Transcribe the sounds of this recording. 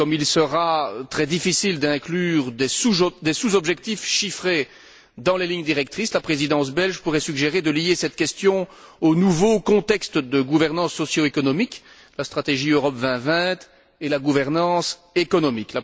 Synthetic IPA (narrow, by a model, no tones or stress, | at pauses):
kɔmilsəʁat̪χɛd̪ifisild̪ɛ̃klyːʁd̪ɛsud̪ɛsuzɔbʒɛk̚t̪ifʃifχe | d̪ɑ̃leliɲd̪iʁɛk̚t̪χislapχezid̪ɑ̃s̬bɛlʒpuʁɛsyɡʒeʁed̪əlijesɛt̪kʲɛst̪jɔ̃onuvokɔ̃t̪ɛkst̪d̪əɡuvɛʁnɑ̃sːɔsjoekɔnɔmik | last̪χat̪eʒiøʁɔpvɛ̃vɛ̃t̪ | elaɡuvɛʁnɑ̃sekɔnɔmikla